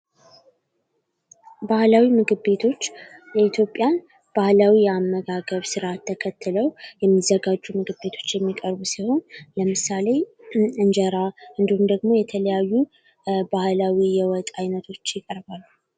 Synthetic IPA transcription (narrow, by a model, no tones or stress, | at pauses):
bahlawimɨɡɨbe̞t̪ʰo̞t͡ʃːjɛit̪ʰjo̞pʼːjan | b̥ahlawijɛamːəɡaɡəβsɨɾaat̪ʰːəkʰət̪ʰːɨləwjɛmːizːəɡad͡ʒːumɨɡɨbe̞t̪ʰo̞̥t͡ʃːjɛmːikʼəɾbusiho̞nləmɨsale̞ | ɨnd͡ʒəɾaɨnd̪ihumd̪əɡmo̞jɛt̪ʰələjajːu | bahlawijɛwɔt̪ʼajnət̪ʰo̞t͡ʃːjɪkʼəɾbalːu